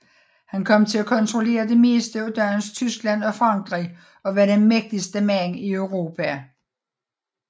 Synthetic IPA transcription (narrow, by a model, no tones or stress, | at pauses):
hænkʰɒ̽m̰t͡sʰe̝lækʰɒ̽nt͡sʰʁo̝le̝̰ːɐd̥e̝me̝̰ːsd̥əd̥ɶɐnst͡sʰysɡ̥læn̰ɒ̽fʁɑ̈ŋɡ̥ʁḭ | ɒ̽ʋæɐɾenmeɡ̥̚d̥isd̥əmæniøʊʁo̝ːpʰæ